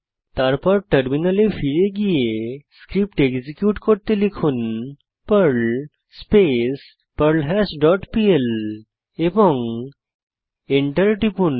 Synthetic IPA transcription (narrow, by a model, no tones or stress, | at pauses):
t̪aɾpaɾʈəɾminalefiɾeɡijeskɾip̚ʈeɡd͡ʑikjuːʈkoɾt̪elikʰuːn | pəɾɭ | spes | pəɾlɦɛsɖɔʈpiel | eʋɔŋ | eɳʈəɾʈipuːn